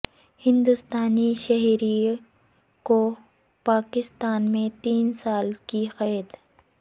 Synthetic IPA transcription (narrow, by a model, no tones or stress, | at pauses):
hɪ̃nd̪ʊst̪aːniʃɛɦɾi | ko | paːkɪst̪aːnmẽt̪iːnsaːlkixɛːd̪